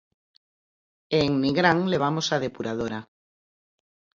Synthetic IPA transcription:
eŋniɣɾaŋleβ̞amosaðepuɾað̞oɾa

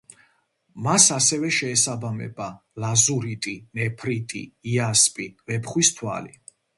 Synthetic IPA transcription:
masasɛvɛʃɛːsabamɛ̰ba | lazuɾit̪ʼinɛpʰɾit̪ʼḭiaspʼivɛpʰχwist̪ʰwa̰li

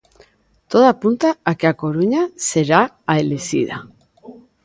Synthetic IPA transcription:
t̪oðapunt̪aːkeakoɾuɲaseɾa | aelesḭða̰

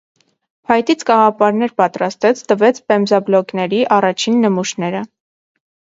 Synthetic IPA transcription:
hɑjt̪it͡sʰɡɑʁɑpɑɾnɛɾpɑt̪ɾɑst̪ɛt͡sʰt̪əvɛt͡sʰpɛmzɑblɔknɛɾiʔɑrɑt͡ʃʰinːəmuʃnɛɾə

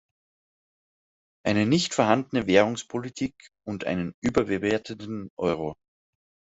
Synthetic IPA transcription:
ʔaɪnənɪçtfɛɐɦandənəveːʁ̞ʊŋspʰolitʰiːk | ʊntʔa̰ɪnənʔyːbɐbeveːɐtʰəndnn̩ʔɔʏʁ̞o

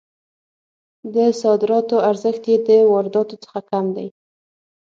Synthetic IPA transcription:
d̪əsɑd̪ɪɾɑt̪oaɾzəxt̪jed̪əwɑɾɪd̪ɑt̪ot͡sə̥xakamd̪a̰j

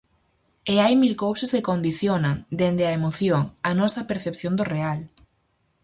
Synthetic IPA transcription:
eajmilkowsɐskekond̪iθjonaŋd̪end̪ɪɐemoθjoŋɐnɔsɐpeɾθepθjond̪ʊreal

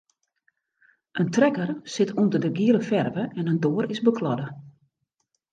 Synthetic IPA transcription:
ʔəntrɛkərsɪtʰundərdəɡiəlˠəfɛrvəʔɛnəndoːɾɪzbəkʰlɔdə

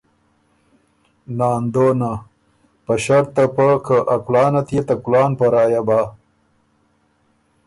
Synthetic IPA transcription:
naːnd̪oːna | pɐɕɐɾt̪ɐpəkʰəʔɐklɑːnɐt̪jet̪ɐkulaːnpɐɾaːjabaː

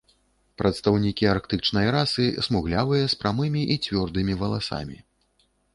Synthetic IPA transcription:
pɾʔɐt̪st̪awnʲikʲiarkt̪ɨt͡ʂnɐjɾasɨsmuɣlʲavɨjɐspɾamɨmʲiʔit͡sʲvʲɔrd̪ɨmʲivɐlˠasa̰mʲi

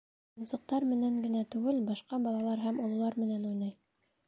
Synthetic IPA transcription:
ɤ̆nsɤ̆q̚t̪ɑɾmɘ̆næŋɡɘ̆næt̪ʉɡɘlbɑʃqɑbɑlˠɑlˠɑɾɦæmŏlˠŭlˠɑɾmɘ̆nænujnɑj

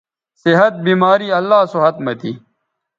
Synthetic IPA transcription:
sɪɦɐt̪̚biːmaːɾiːɐlːaːsoɦɐt̪mɐt̪iː

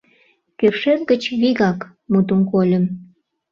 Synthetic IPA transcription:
kørʃerɡət͡ɕβiɣɑk | mut̪umkolʲəm

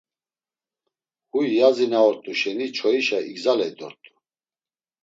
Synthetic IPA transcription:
hujjazinaɔɾt̪ʼuʃɛnit͡ʃʰɔiʃaiɡzalɛid̪ɔ̰ɾt̪ʼu̥

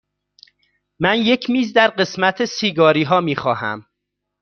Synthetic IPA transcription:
mænje̞cʰmiːzd̪æɾɢe̞smæt̪ʰesiːɡɒːɾiːɦɒːmiːxɒːhæ̰m

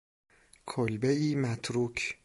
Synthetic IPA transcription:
kʰolbeiːmæt̪ʰɾuːkʰ

